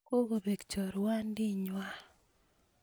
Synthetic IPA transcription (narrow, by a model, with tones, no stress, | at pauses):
ko˦ɡo˨be˨kt͡ʃɔ˨ɾwa˦ndɪ˦ɲwa˦